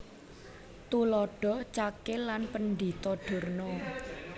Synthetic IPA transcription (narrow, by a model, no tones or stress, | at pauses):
t̪ulɔɖ̥ɔ̤t͡ʃakɪlanpənd̪it̪ɔɖ̥o̤rnɔ